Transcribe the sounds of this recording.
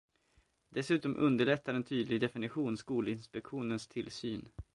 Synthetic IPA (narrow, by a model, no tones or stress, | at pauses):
d̪̥ɛsʉ̟ːt̪ɔmʔɵ̰nd̪əɭɛt̪ːaɾɛnt̪ʰyːd̪lɪɡd̪ɛfɪnɪɧuːnskuːlɪnspɛkɧuːnənst̪ʰɪlsyːn